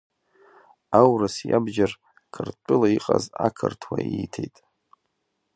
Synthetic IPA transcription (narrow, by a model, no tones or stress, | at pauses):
awrasjabd͡ʒar | kʰɨrt͡pʷʼʊlaiqʼazakʰɨrtʰwaitʰejtʼ